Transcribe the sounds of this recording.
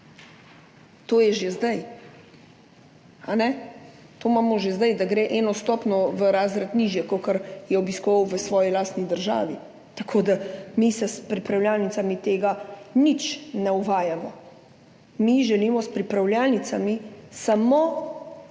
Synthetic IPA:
t̪oːjɛʒezd̪aj | anɛt̪omaːmɔʒezd̪ajd̪aɡɾeːʔɛnɔst̪ɔːpnɔʋəɾaːzɾat̪niːʒjɛkokaɾjɛɔbiskɔʋawʋəsʋɔːjilaːst̪nid̪əɾʒa̰ːʋi | t̪ɐkʰoːd̪amisɛspɾipɾawljaːlnit̪samit̪eːɡanit͡ʃnɛuʋaːjamɔ | miʒɛliːmɔspɾipɾawljaːlnit̪samisamo

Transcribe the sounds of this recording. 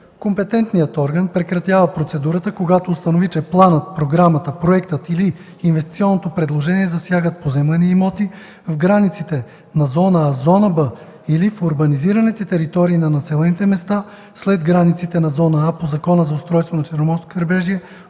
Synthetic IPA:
kompɛt̪ɛnt̪nijət̪ɔɾɡənpɾɛkɾɐt̪ʲjavəpɾot̪sɛd̪uɾət̪əkoɡat̪oːst̪ɐnovit͡ʃɛplˠanət̪̚pɾoɡɾamət̪əpɾoɛkt̪ət̪iliː | nvɛst̪i̥t̪siɔnːot̪opɾɛd̪lˠoʒɛniɛzɐsjaɡət̪̚pozɛmlɛniimɔt̪i | vɡɾanit̪sit̪ɛ | nɐzɔnəazɔnəbə | ilifoɾbɐniziɾɐnit̪ɛt̪ɛɾit̪ɔɾiːnɐnɐsɛlɛnit̪ɛmɛst̪a | slɛd̪ɡɾanit̪sit̪ɛnɐzɔnəapozɐkɔnəzɐʊst̪ɾɔjst̪vonɐt͡ʃɛɾnomɔɾsko̥kɾɛbɛʒiɛ

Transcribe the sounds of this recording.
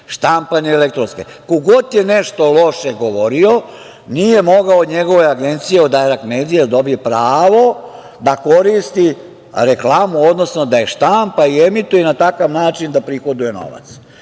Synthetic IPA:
ʃt̪ampaneelek̚t̪ɾo̞nskḛ | koɡo̞t̪je̞neʃt̪o̞lˠo̞ʃeɡo̞ʋo̞ɾio̞ | nije̞mo̞ɡaod̪ɲe̞ɡo̞ʋejaɡe̞nt̪sijeod̪aeɾakmeːd̪ijed̪ad̪o̞bijepɾaːʋo̞ | d̪ako̞ɾist̪i | ɾeklˠaːmuod̪no̞sno̞d̪aje̞ʃt̪ampaiemit̪ujenat̪akaʋnaːt͡ʃind̪apɾixod̪uje̞no̞̰ʋa̰t̪s

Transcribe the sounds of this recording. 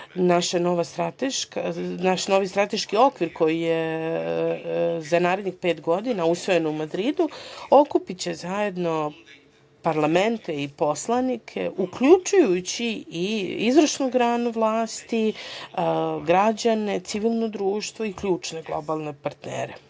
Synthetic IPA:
naʃano̞ʋast̪ɾat̪eʃkanaʃno̞ʋist̪ɾat̪e̞ʃkio̞kʋiɾko̞jije | zanaːɾed̪ɲixpe̞ːt̪ɡo̞d̪inausʋo̞je̞numad̪ɾiːd̪uo̞kupit͡ɕezaje̞d̪no̞ | paɾlˠame̞nt̪e̞ipo̞slˠanikʰe̞̰ʔukʎut͡ʃujut͡ɕiiizɾəʃnuɡɾaːnuʋlˠaːst̪i | ɡɾad͡ʑane̞t̪siʋilˠno̞d̪ɾuːʃt̪vʋo̞ikʎuːt͡ʃne̞ɡlˠo̞balˠne̞paɾt̪nḛːɾe

